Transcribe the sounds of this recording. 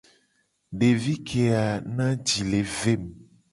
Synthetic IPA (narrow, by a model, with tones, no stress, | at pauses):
ɖe˨vi˦kʰe˨a˨nã˦d͡ʒi˨le˨ve˦˨m